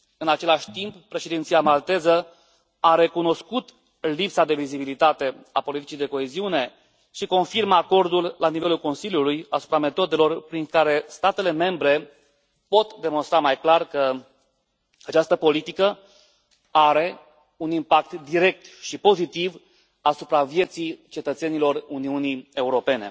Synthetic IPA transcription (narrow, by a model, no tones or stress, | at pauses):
ɨnat͡ʃe̞laʃʲt̪imppːɾe̞ʃed̪int̪sijamalt̪e̞zə | aɾe̞kuno̞skut̪ | lipsad̪e̞vizibilit̪at̪e̞a̰po̞lit̪i̥t͡ʃijd̪e̞ko̞eziune̞ | ʃiko̞nfirməako̞rd̪ullanive̞lulko̞nsiljulujasu̥pɾame̞t̪o̞d̪e̞lo̞rpɾiŋkaɾe̞st̪at̪e̞le̞me̞mbɾe̞ | po̞t̪d̪e̞mo̞nst̪ɾamajklarkə | at͡ʃast̪əpo̞lit̪ikə | aɾe̞ | unimpak̚t̪d̪iɾe̞k̚t̪ʃipo̞zit̪iv | asupɾavje̞t̪sijt͡ʃe̞t̪ət̪se̞nilo̞runiunie̞uɾo̞pe̞ne̞̰